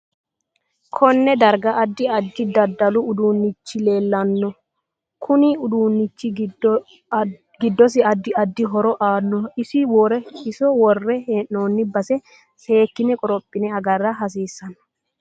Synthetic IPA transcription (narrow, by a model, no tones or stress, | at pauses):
kʰɔnːɛd̪ɐɾɡɐːd̪ːɪɐd̪ːɪd̪ɐd̪ːɐlʊʊd̪uːnːɪt͡ʃːɪle̞ːlːɐnːɔ | kʰʊnɪʊd̪uːnːɪt͡ʃːɪ | ɡɪd̪ːɔs̬ɪɐd̪ːɪɐd̪ːɪɦɔɾɔʔaːnːɔɪsɪwoːɾɛhɪsɔwɔrːɛheːnːoːnːɪbɐsɛ | se̞ːkːɪnɛkʼɔɾɔpʼːɪnɛɐɡɐrːɐɦɐs̬iːsːɐnɐ̥